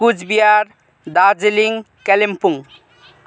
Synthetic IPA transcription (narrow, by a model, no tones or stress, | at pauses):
kud͡ʑbiaɾ | d̪ad͡zeliŋ | kɛlempuŋ